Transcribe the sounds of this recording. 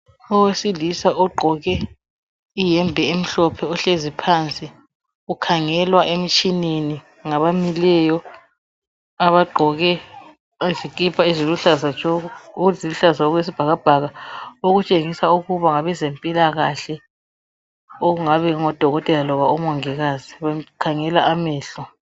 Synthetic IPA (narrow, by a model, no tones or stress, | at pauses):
ɔwesilisaʔɔɡ͡ǃʱɔɣɛ | ijɛmbʱɛem̩ɬɔpʰɛɔɬezipʰant͡sʼi | ukʰaŋɛlwaʔem̩t͡ʃʼineni | ŋaβamilɛjɔ | aβaɡ͡ǃʱɔɣɛ | zikʼipʰaiziluɬazat͡ʃɔuuziluɬazaɔɣwes̬ib̥ʱaɣab̥ʱaɣaoɣut͡ʃʼeŋisauɣuβaŋaβɛzempʼilaɣaɬɛ | oɣuŋaβɛŋɔd̥ʱɔɣɔtʼɛlalɔβaumɔŋɛɣaːziβɛkʰaŋɛlaʔamɛːɬɔ